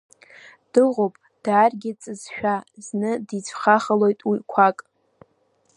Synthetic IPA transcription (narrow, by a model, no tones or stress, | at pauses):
d̥ɨʁʷopʼ | d̥aːrɡʲɪt͡sʼɨzʃᶣaznɨdit͡sʷʰχaχəlo̞jtʼwikʷʰakʼ